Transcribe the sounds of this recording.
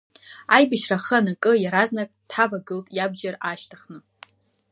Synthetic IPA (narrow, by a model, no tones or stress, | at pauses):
ajbɨʃraχənakʼɨjaɾaznakʼtʰħavaɡɨltʼjabd͡ʒaraʃtʰaχnɨ